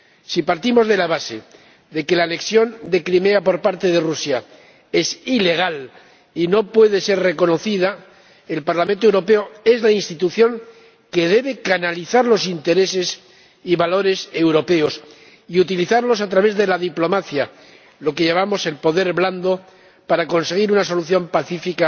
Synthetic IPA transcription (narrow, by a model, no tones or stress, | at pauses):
sipaɾt̪imo̞zðe̞laβ̞ase̞̰ | ðe̞ke̞laːne̞ksjo̞nd̪e̞kɾime̞apo̞ɾpaɾt̪e̞ðe̞rusja | e̞sile̞ɣ̞al | ino̞pwe̞ð̞e̞se̞ɾre̞ko̞no̞θið̞a | e̞lpaɾlamẽnt̪oewɾo̞pe̞oe̞zlainst̪it̪uθjo̞ŋ | ke̞ðe̞βe̞kanaliθaɾlo̞sint̪e̞ɾe̞se̞s | iβalo̞ɾe̞se̞wɾope̞o̞s | iut̪iliθaɾlo̞sat̪ɾaβe̞zðe̞laðiplo̞maθja | lo̞keʝeβamo̞se̞lpo̞ðe̞ɾβland̪o̞ | paɾako̞nse̞ɣ̞iɾunas̬o̞luθjo̞mpaθifika